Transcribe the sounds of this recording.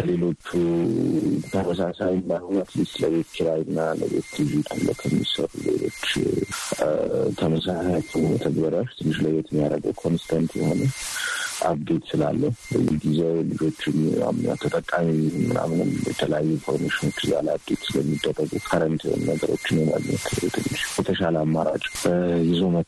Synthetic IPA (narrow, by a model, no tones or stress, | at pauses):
le̞lo̞t͡ʃːu | t̪ʰəməsasajmbajhonat̪lɨst̪ləβe̞t̪kʰiɾajɨnːaləbe̞̰t̪dizit̪ʰalːə̰kʰəmːḭsəɾṵle̞̰lo̞̰t͡ʃː | t̪ʰəməsasat̪ʰɨnət̪ʰəɡbəɾaʃt̪ʰɨnːɨʃləjɛt̪mːijaɾəɡəwkʰo̞nsɨ̥t̪ʰant̪jɛho̞nə | ʔaβd̪e̞t̪sɨla̰lːəhubəjːɛɡizelɨd͡ʒo̞t͡ʃːɪna̰mna̰t̪ʰːət̪ʼəkʼːamimɨna̰mnɨmjɛ̰t̪ʰələjajːunfo̞ɾmeʃɪno̞t͡ʃːja̰labd̪et̪sɨləmːid̪ːərːəɡukʰaɾənt̪ʰio̰nnəɡəɾo̞̰t͡ʃːɪnjɛma̰dɲɛ̰t̪t̪ʰɨnːɨʃjɛt̪ʰəʃaləamːaɾa̰t͡ʃʼjɛzumə